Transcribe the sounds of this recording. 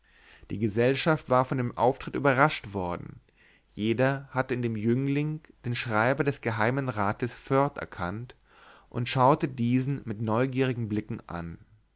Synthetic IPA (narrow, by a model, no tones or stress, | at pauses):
d̥ḭːɡəzɛlʃaftv̥aːɐfɔndeːmʔa̰ʊftʁ̥ɪtʔy̰ːbɐʁaʃtv̥ɔɐdn̩ | jeːdɐhatəɪndeːmjʏŋlɪŋd̥eːnʃʁ̥aɪbɐdɛsɡ̥əɦaɪmənʁaːtəsfœɐtʔɛ̰ɐkʰant | ʔʊ̰ntʃaʊtədiːzn̩mɪtnɔʏɡiːʁɪɡŋ̩blɪkŋ̩ʔa̰n